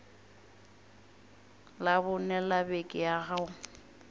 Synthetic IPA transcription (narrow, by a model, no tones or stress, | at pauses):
labʊnɛlabekʼɪaɣaʊ